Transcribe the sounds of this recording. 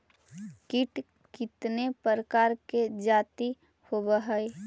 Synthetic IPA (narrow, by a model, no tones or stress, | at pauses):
kɪʈ | kɪt̪nepəɾəkaːɾked͡ʒaːt̪i | hobəɦəe